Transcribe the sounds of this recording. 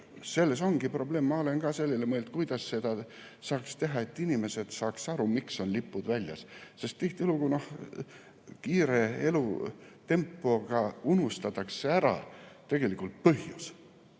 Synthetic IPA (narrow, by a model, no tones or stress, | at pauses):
se̞lːe̞so̞ŋɡ̥ipro̞ble̞ːmːɑo̞le̞nɡ̥ɑːse̞lːelemɤeld̪̥̚kujd̪̥ɑsse̞d̪̥ɑ | sɑːkst̪e̞ɦɑe̞t̪ːinime̞se̞d̪̥sɑːksɑɾumikso̞nlipːˑud̪vælʲjɑ̰sse̞st̪t̪ːiht̪iluɡ̥uno̞h | kiːɾe̞e̞lut̪e̞mpːˑo̞ɡ̥ɑunust̪ɑt̪ːɑksːeæɾɑ̰t̪e̞ɡ̥e̞likult̪̚pɤhjus